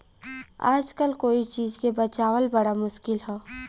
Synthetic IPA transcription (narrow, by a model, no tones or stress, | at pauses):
a̰ːd͡ʒkəlkoːit͡ʃiːzkebɐt͡ʃaːwəlbɐɽamʊʃkɪlɦoː